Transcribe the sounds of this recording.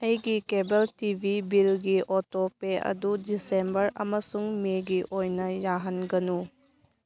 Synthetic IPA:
ɐjɡikebeltibʱibilɡiʔotopeɐ̰dudisembɐɾɐ̰mɐsuŋmeɡiʔojnɐjaɦɐnɡɐnu

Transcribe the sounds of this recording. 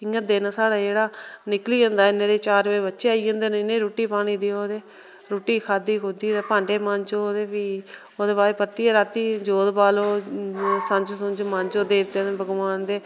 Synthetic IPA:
ɪŋɡət̪̚d̪eːnaːsaːɽaːd͡ʒeːɽaːnɪkliːɦə̃nd̪aːɪneːɾeːt͡ʃaːɾʋeːbətːʃeːaːiːɦə̃nd̪eːnnẽːɾoːʈiːpaːɽ̃iːd̪eːoːd̪eː | ɾoːʈiːkʰaːd̪iːkʊd̪iːeːpãːɳɖeːmə̃nd͡ʒoːoːd̪eːʋiː | oːd̪eːbaːɾeːpət̪ːiːeɾaːt̪ːiːd͡ʒoːd̪baːloː | sə̃ɲd͡ʒsʊnd͡ʒmə̃ɲd͡ʒoːd̪eːbd͡ʒɛːbəɡʋaːnd̪eː

